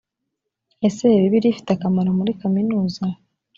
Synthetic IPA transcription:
eseβiβiɾifi̥takamaɾomuɾikaminuːza

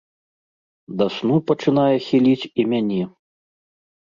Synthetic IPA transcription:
d̪asnupɐt͡ʂɨn̪ajɛxʲilʲit͡sʲimʲanʲɛ

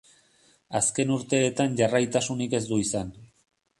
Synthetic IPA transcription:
aske̞nuɾt̪e̞ːt̪anʝarajt̪asunike̞zd̪uisan

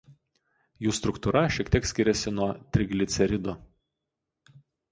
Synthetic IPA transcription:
juːst̪ɾʊkt̪uɾɐʃʲiɛkt̪ʲiɛksʲkʲɪɾʲɛsʲɪnuɔt̪ʲɾʲɪɡlʲɪt̪sʲɛɾʲɪd̪ʊ

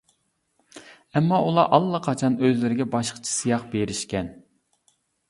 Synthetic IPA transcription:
ɛmːɑʔulˠɑʔɑlˠːɑqʰɑt͡ʃʰɑnøzlɪɾɪɡʲɛbɑʃqʰə̥t͡ʃʰi̥sɨjɑq̚beɾɪʃkʲɛn

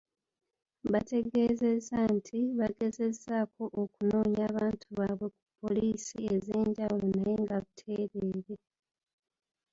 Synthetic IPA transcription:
βate̞ɡe̞ːze̞zantʰiβaɡe̞ze̞zaːko̞ʔokuno̞ːɲaːβaːntuβaːβwe̞ku̥pʰːo̞liːsie̞zeːɲɟawulo̞naje̞ŋɡaβutʰe̞ːɾeɾe

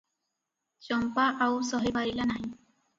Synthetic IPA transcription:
sɔmpaʔawsɔɦibaɹilanaj

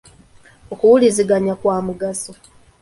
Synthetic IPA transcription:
okuwuliziɡaɲakwaːmuɡaso

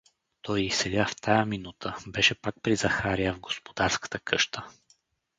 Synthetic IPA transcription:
t̪ɔjisɛlʲaft̪ajəminut̪ʰəbɛʃɛpak̚pɾizɐxaɾiəvɡospod̪aɾskə̥t̪əkʰɤʃt̪ə

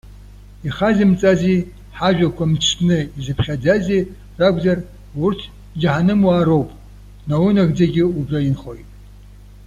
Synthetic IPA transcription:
iχazimt͡sʼaziː | ħaʒᶣʷakʷʰamt͡ʃʰnɨizɨpʰχʲad͡zaziː | raɡʷzɐr | wʊrtʰ | d͡ʒaħanɨmwaːɾowpʼ | nawʊnɐɣd͡zɐɡʲɪubrɐjinχojtʼ

